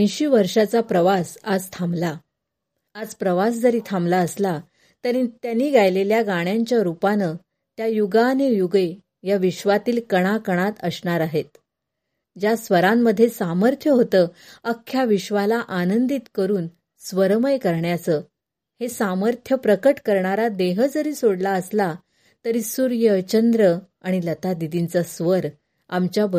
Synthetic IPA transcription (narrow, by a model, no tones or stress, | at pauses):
ə̃jɕiːʋəɾʂat͡sapɾəʋasad͡zt̪ʰambla | ad͡zpɾəʋasd͡zəɾiːt̪ʰamblaəsla | t̪əɾit̪janːiːɡajleljaɡaɽ̃jaɲt͡ɕjaɾupanə | t̪jajuɡanejuɡe | jaʋiɕʋat̪iːlkəɽ̃akəɽ̃at̪əsɳaɾaɦet̪̚ | d͡ʑjasʋəɾamːəd̪ʱːjesaməɾt̪ʰjəɦot̪əːəkʰːjaʋiɕʋalaʔanənd̪it̪kəɾuːn | sʋəɾməjkəɾɳjat͡sə | hesaməɾt̪ʰjəpɾəkəʈkəɾɳaɾad̪eɦəd͡zəɾiːsoɽlaəsla | t̪əɾisuɾjət͡ɕənd̪ɾə | aɽ̃ilət̪ad̪id̪int͡səsʋəɾ | amt͡ɕjabə